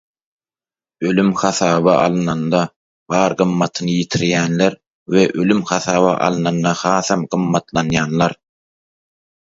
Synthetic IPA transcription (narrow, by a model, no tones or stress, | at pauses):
ø̞lymxɑθɑːβɑʔɑlˠɯnɑnd̪ɑ | bɑːɾɢɯmːɑt̪ʰɯnɯjit̪ʰiɾjæːnleɾ | weʔø̞lymxɑθɑːβɑʔɑ̰lˠɯnɑnd̪ɑhɑːθɑmɢɯmːɑt̪lˠɑnjɑːnlˠɑɾ